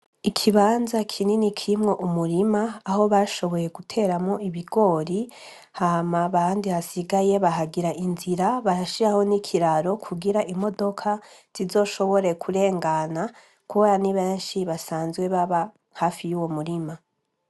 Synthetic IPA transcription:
ikʰiβaːnzakʰininikʰiimŋo̞ʔumuɾimaːho̞βaʃo̞βo̞je̞ɡutʰe̞ːɾamŋo̞iβiɡo̞ɾi | hamaβandihasiɡaje̞βaɦaɡiɾaʔinziɾaβaɾaʃiɾaho̞nikʰiɾaɾo̞kʰuɡiɾaʔimo̞do̞kʰaz̥izo̞ːʃo̞βo̞ɾe̞kʰuɾe̞ːŋɡana | kuaaniβeːnʃiβasaːnzɡwe̞βaβa | haːfijuːwo̞muɾima

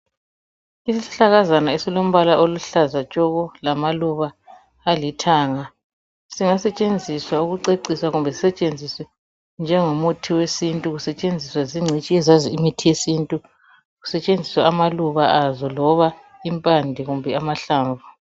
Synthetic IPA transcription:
isisi̥ɬaɣazanaesilom̩βalaʔoluɬazat͡ʃʼɔɣɔlamaluβaː | litʰaːŋa | siŋasɛt͡ʃʼend͡zʱiswauɣuǀeǀiswaɣumbʱɛsi̥sɛt͡ʃʼend͡zʱisɛ | nd͡ʒʱɛŋomutʰiwesintʼuɣusɛt͡ʃʼend͡zʱiswaziŋ͡ǀʱit͡ʃʼiɛzaziimitʰijesintʼu | ɣusɛt͡ʃʼend͡zʱiswaamaluβaʔazɔlɔβa | impʼandʱiɣumbʱɛamaɬaːɱvu

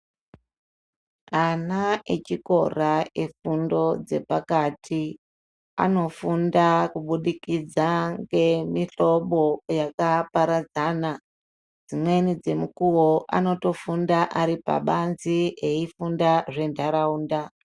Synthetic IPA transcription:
anaet͡ʃiko̞̰raefundo̞d͡ze̞̰pakatʰi | a̰no̞fundakuɓuɗikid͡zaŋɡe̞miɬo̞ɓo̞jakapaɾad͡zaːna | d͡zimwe̞nid͡ze̞mukuwoʔa̰no̞to̞fundaʔaɾipa̰ɓanzieifundaʐe̞ndʱaɾauːnda

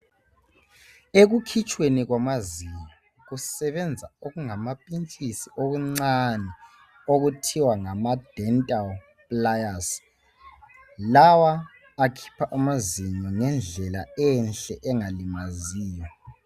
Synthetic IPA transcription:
eɣukʰit͡ʃʼweniɣwamaziɲɔ | ɣusɛβɛnd͡zʱaoɣuŋamapʼint͡ʃʼisiʔoɣuŋ͡ǀanɛ | oɣutʰiwaŋamad̥ʱɛntʼal | pʼlajas | lawaː | kʰi̥pʰaʔamaziɲɔŋɛnd͡ɮʱɛla̰ɛnɬɛʔɛŋalimaziːjɔ

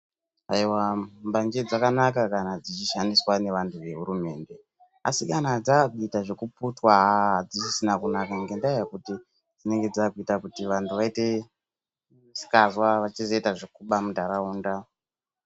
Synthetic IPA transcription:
aiwambaɲd͡ʒed͡zakanakakanad͡zit͡ʃiʃandiswane̞ʋantʰuʋe̞ɦuɾume̞ːnde̞ | a̰sikanad͡zakuitaʐe̞kuputwaɦaad͡zisisinakunakaŋɡe̞ndajakuti | d͡zine̞ŋɡe̞d͡zakuitakutiʋantʰuʋaite̞ | si̥kazwaʋat͡ʃizo̞itaʐekuɓamudaɾauːnda

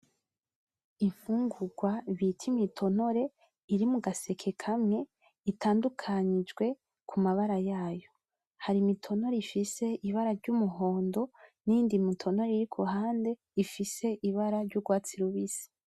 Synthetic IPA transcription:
iɱfuːŋɡuɡwaβitʰimitʰo̞no̞ɾe̞ | iɾimuɡase̞kʰe̞kʰamŋe̞ | itaːndukʰaɲid͡ʒɡwe̞ | kʰumaβaɾajaːjo̞ | haɾimitʰo̞no̞ɾeifise̞ʔiβaɾaɾɟumuɦo̞ːndo̞nindimitʰo̞no̞ɾeiɾikʰuɦaːnde̞ | ifise̞ʔiβaɾaɾɟuɡwaːt͡siɾuβisi̥

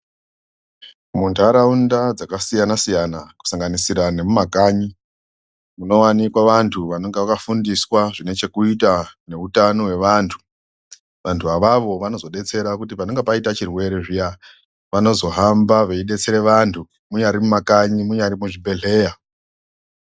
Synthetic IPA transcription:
muntʰaɾaundad͡zakasijanasijanaku̥saŋɡanisiɾane̞mumakaɲi | muno̞wanikwaʋantʰuʋano̞ŋɡeʋakafundiswaʐine̞t͡ʃe̞kuitane̞utano̞we̞ʋaːntʰu̥ | ʋantʰuaʋaʋo̞ʋano̞zo̞ɗe̞t͡se̞ɾakutipano̞ŋɡepaitat͡ʃirwe̞ɾe̞ʐija | ʋano̞zo̞ɦambaʋeiɗe̞t͡se̞ɾe̞ʋantʰu | muɲaɾimumakaɲimuɲaɾimuʐibʱe̞ɮe̞ːja

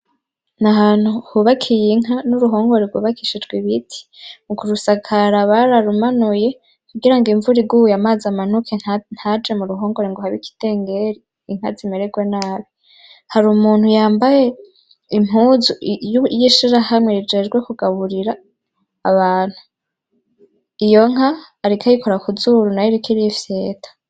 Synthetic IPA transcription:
naɦan̥huhuβakʰijiŋɦanuɾuɦo̞ːŋɡo̞ɾeɡwṵːβakiʃid͡ʒɡwiβitʰi̥mukuɾusakʰaɾaβaɾaɾumanuje̞ | kuɡiɾaŋɡiɱvuɾiɡujamaːzaman̥ukʰen̥had͡ʒe̞muɾuɦo̞ːŋɡo̞ɾeŋɡohaβiki̥te̞ːŋɡe̞ɾiː | ŋ̥ha̰zimeɾeɡwenaːβi | haɾuːmuːn̥hujaːmbaje̞ | im̥uzujiʃiɾahamŋeɾid͡ʒe̞ːd͡ʒɡwe̞kuɡaβuɾiɾaː | βaːn̥hu | ijo̞ŋ̥aː | ɾikʰajikʰo̞ɾakuzuɾunajiɾikiɾifje̞ːtʰḁ

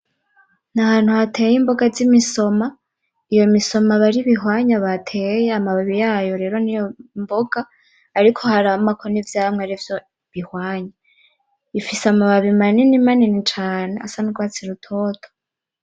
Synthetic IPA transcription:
nahaːn̥huhatʰejimbo̞ɡazimiso̞ma | ijo̞miso̞maβaɾiβiɦwaːɲaβatʰeːjeamaβaβijaːjo̞ɾe̞ːɾo̞nijombo̞ɡ̥aː | ɾikʰo̞haɾaamakʰonivjaːmŋeaɾivjo | βihwaːɲa | ifiseamaβaβimaninimaninit͡ʃaːne̞asanuɡwaːt͡siɾutʰoːtʰo̥

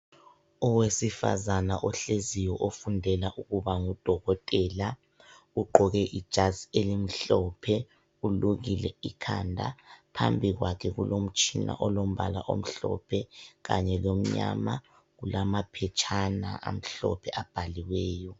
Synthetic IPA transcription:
ɔwesifa̰zanaʔɔɬezijɔʔofundʱɛlaʔuɣuβaŋud̥ʱɔɣɔtʼɛla | uɡ͡ǃʱɔɣɛʔid̥ʒ̥ʱazielim̩ɬɔpʰɛ | uluɣilɛikʰandʱa̰pʰambʱiɣwakʰɛɣṵlom̩t͡ʃʼina̰ʔɔlom̩βalaʔo̰m̩ɬɔ̰pʰɛɣa̰ɲɛlom̩ɲa̰ma | ɣulamapʰɛt͡ʃʰʼana̰ʔa̰m̩ɬɔ̰pʰɛʔab̥ʱaliwɛːjɔ

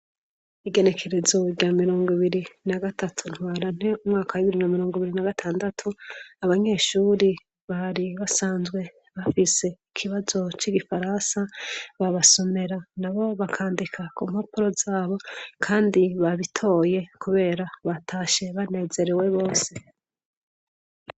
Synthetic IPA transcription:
iɡe̞ne̞kʰe̞ɾe̞zoiɡamiɾo̞ːŋɡwiβiɾinaɡatatʰun̥hwaːɾan̥e̞umŋaːkawiβiɾinamiɾoːŋɡwiβiɾinaɡatʰaːndatʰuaβaɲe̞ːʃuːɾi | βaɾiβasaːnzɡwe̞ | βafise̞ikʰiβazo̞t͡ʃiɡifaɾansaβaβaso̞me̞ɾanaβo̞βakʰaːndikʰakuːm̥hapuɾo̞zaːβo̞kʰaːndiβaβitʰo̞je̞kuβe̞ːɾaβatʰaːʃe̞βane̞ːze̞ɾewe̞βo̞ːse̞

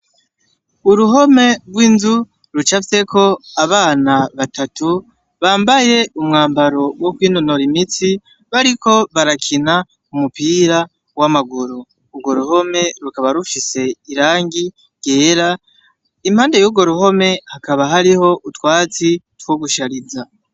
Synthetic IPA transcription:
uɾuɦo̞me̞ɡwiːnzu | ɾut͡ʃafse̞kʰo̞aβaːnaβatatu | βaːmbaje̞umŋaːmbaɾo̞wokwiːnonoɾimit͡si | βaɾikʰo̞βaɾakʰina | umupiːɾa | wamaɡuɾoː | ɡo̞ɾuho̞me̞ɾukaβaɾufise̞iɾaːŋɡi | ɡ̥e̞ːɾa | im̥haːnde̞juːɡo̞ɾuho̞me̞hakaβaɦaɾiho̞ʔutwaːt͡sitwoɡuʃaɾiza

